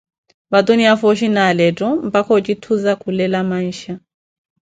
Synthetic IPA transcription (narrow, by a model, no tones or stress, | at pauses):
bat̪ʼoniafɔʃinalɛtʼɔm̩pʼakʰɔt͡ʃʼit̪ʰuzakʰulɛlamaiːʃa